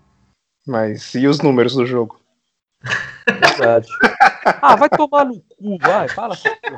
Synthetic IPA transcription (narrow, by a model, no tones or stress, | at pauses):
majsiʊznũmeɾʊzd̪ʊʒoɡʊ | veɾd̪ad͡ʒɪavajt̪omanʊk̚uvajfalɐsku